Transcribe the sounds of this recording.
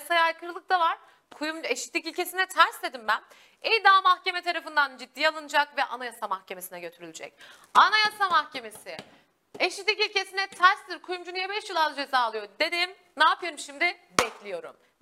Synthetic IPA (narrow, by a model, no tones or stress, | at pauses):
sajajkʰɯɾɯlˠɯk̚d̪̥avaɾ̥ | kʰujumeʃi̥t̪lʲicilʲce̞sinɛt̪ʰæɾsd̪e̞d̪imbæn | ijd̪aːmaxce̞mɛt̪ʰaɾafɯnd̪and͡ʒid̪ːijalˠɯnɯd͡ʒakvɛʔa̰najasamaxce̞me̞sinɛɟø̞t̪ʰyɾylʲid͡ʒɛ̰c | anajasamaxce̞me̞sɪ | eʃit̪lʲicilʲce̞sinɛt̪ʰæɾst̪iɾkʰujumd͡ʒunijɛbɛʃjɯlˠaɾd̪ad͡ʒe̞zaːlˠɯjo̞d̪e̞d̪im | naːpʰɯjoɾumʃimd̪ɪ | bɛclʲijo̞ɾṵm